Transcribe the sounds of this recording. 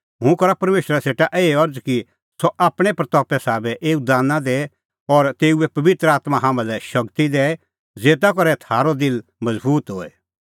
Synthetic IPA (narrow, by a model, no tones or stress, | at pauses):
ɦʊ̃kɐɾapɐɾmeːʃɾaseːʈaʔeːeɐɾd͡zki | sɔʔaːpɽ̃epɾɐt̪ɔːpɛsaːbɛʔeːud̪aːnãd̪eː | ɔɾt̪eːuɛpɐʋɪt̪ɾəaːt̪mãɦãːmãlɛʃɐkt̪id̪ɛː | d͡zeːt̪̬akɔɾɛt̪ʰaːɾod̪ɪlmɐzbuːt̪ɦoːɛ